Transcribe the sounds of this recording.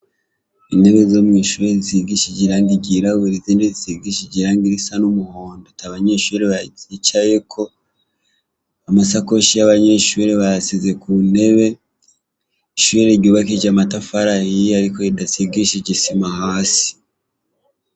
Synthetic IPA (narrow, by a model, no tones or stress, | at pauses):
ine̞βe̞zomŋiːʃuɾeiziɡiʃiɟiɾaːŋɡiɟiɾawuɾizindezisiɡiʃiɟiɾaːŋɡiɾisanumuhoːndotaβaɲe̞ʃuɾeβaɟit͡ʃaje̞kʰo̞ | amasakoʃijaβaɲe̞ʃuɾeβajasize̞kune̞βe̞ | iʃuɾeɾɟoːβakid͡ʒamatafaɾahiaɾikoidasiɡiʃiɟisimahaːsi̥